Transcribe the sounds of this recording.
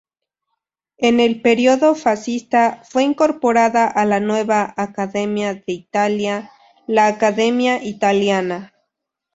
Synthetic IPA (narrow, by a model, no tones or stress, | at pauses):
ene̞lpe̞ɾjo̞ðo̞fasist̪afwe̞iŋko̞ɾpo̞ɾaðaʔalanwe̞βaːkaðe̞mjaðeit̪alja | laːkaðe̞mjaʔit̪aljana